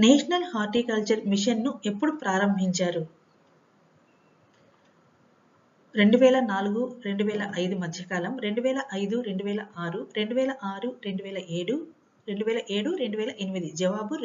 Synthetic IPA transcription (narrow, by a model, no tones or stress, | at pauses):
neːʂɐnɐlhaːɾʈiːkɐlt͡ʃɐɾmiʂɐnːue̞pːuɽupɾaːɾɐmbʱiɲt͡ʃaːɾu | ɾe̞ɳɖuʋɛːlɐnaːluɡuɾe̞ɳɖuʋɛːlɐʔɐjd̪umɐd̪ʱjɐkaːlɐmɾe̞ɳɖuʋɛːlɐʔɐjd̪uɾe̞ɳɖuʋɛːlɐʔaːɾuɾeɳɖuʋɛːlɐʔaːɾuɾe̞ɳɖuʋɛːlɐʔeːɽu | ɾe̞ɳɖuʋɛːlɐʔe̞ːɽuɾe̞ɳɖuʋɛːlɐʔenimid̪id͡ʒɐʋaːbu